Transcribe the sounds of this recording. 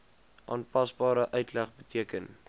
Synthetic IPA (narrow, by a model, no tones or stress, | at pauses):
ʔɑ̰ːnpɐsbɑːɾəʔœɥtlæχbətʰiəkən